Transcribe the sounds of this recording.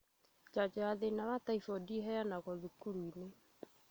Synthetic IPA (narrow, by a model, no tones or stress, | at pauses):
d͡ʒad͡ʒaaðenawataifɔdiɦɛjanaɣɔðukuɾuine